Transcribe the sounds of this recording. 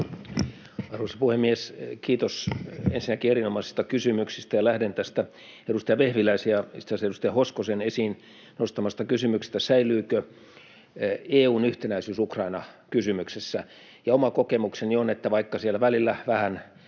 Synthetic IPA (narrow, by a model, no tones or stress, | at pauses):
ɑrʋuoˑsɑpuhemːieskiːt̪osḛnsinːækierinomɑsi̥st̪ɑkysymyksist̪æjɑlæhdent̪æst̪æ | edust̪ejɑʋehʋilæisiɑist̪sæsedust̪ejɑhoskosenesiːn | nost̪ɑmɑst̪ɑkysymyksi̥st̪ːæsæilˑyːkø | eːuːnyht̪enæisyːsukrɑinɑkysymyksesːæ | jɑomɑkokemuksenionet̪ːæʋɑikːɑsielːæʋælilːæʋæhæn